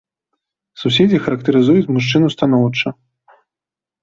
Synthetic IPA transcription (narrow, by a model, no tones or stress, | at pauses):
susʲed͡zʲixɐɾɐkt̪ɐɾɨzujut͡sʲmuʂt͡ʂɨnust̪an̪ɔwt͡ʂɐ